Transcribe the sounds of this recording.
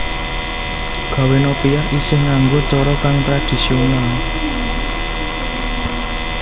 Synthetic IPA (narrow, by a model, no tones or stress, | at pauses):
ɡ̥ä̤wenopiaʔisɪhŋaŋɡot͡ʃɔɾɔkaŋt̪ɾad̪̥i̤siona